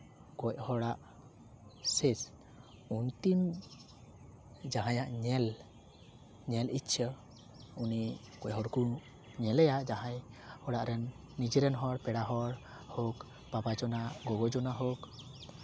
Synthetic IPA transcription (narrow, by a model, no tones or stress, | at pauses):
kɔc̚hɔɽaʔ | ses | unt̪im | d͡ʒaɦãjaʔɲɛl | ɲɛlitt͡ʃʰə | uni | kɔc̚hɔɽku | ɲɛlɛjaʔd͡ʒaɦajhɔɽaʔɾɛnː | id͡ʒiɾɛnɦɔɾpɛɽaɦɔɾ | hɔk | pabad͡ʒɔnaɡɔɡɔd͡ʒɔnaɦɔk